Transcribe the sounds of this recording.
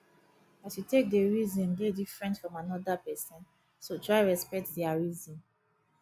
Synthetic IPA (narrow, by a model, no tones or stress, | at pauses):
asjutek̚deɹizɔ̃ndedifɹɛ̃ntfɹɔ̃manɔdapɛsɔ̃n | sotɹaɪɹɛspɛk̚tdiaɹizɔ̃n